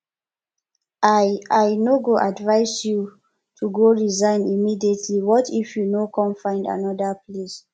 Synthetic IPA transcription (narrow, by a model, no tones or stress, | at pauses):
aajnoɡoʔadvaɪsju | tʰuɡoɹizãɪ̃nimidietʰliwɔtʰifjunokʰɔ̃nfãɪ̃nda̰nɔdəples